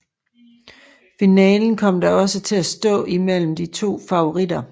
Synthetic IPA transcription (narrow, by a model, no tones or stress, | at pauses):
finɛːln̩kʰɒ̽m̰d̥ɑɒ̽sət͡sʰe̝læsd̥ɔ̰̽ːimel̰m̩d̥it͡sʰo̝̰ːfɑ̈o̝ʁid̥ɐ